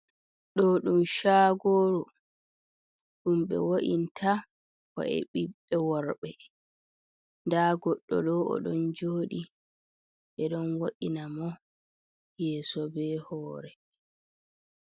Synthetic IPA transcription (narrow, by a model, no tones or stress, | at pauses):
ɗɔɗumʃaːɡoːɾu | ɗumɓɛ̰woʔintʰa | kɔ̰ʔɛ̰ɓiɓːɛwɔɾɓɛ | ndaːɡɔɗːɔ̰ɗɔɔ̰ɗɔnd͡ʒoːɗi | ʔɛɗɔnwoʔinamɔ | jɛːsɔbɛhɔːɾɛ